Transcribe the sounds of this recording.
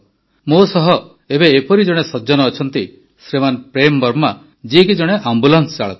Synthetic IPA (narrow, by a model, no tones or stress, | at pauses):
mosɔɦɔ | ebeːpɔɾid͡ʒɔɽ̃esɔd͡ʒɔnɔːt͡ʃʰɔnt̪i | sɾemanpɾembɔɾma | d͡ʒiekid͡ʒɔɽ̃eʔambulanst͡ʃaɭɔ̰t̪